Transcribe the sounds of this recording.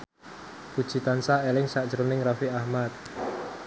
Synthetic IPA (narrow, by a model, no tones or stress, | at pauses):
ku̥t͡ʃi̤t̪ansaelɪŋsad̥ʒ̥ɾunɪŋrafiahmat̪̚